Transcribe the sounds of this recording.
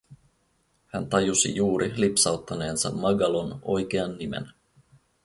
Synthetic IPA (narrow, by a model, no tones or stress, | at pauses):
hænt̪ɑjusḭjuːɾʔilipsɑwt̪ːɑne̞ːnsɑ̰mːɑɡɑlo̞no̞jk̟e̞ɑnːimḛn